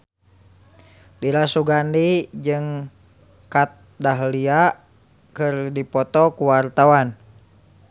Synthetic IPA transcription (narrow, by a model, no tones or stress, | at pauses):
diɾasuɡandid͡ʒɨŋ | kat̪̚daɦlia | kɨrdipɔt̪ɔkuwart̪awan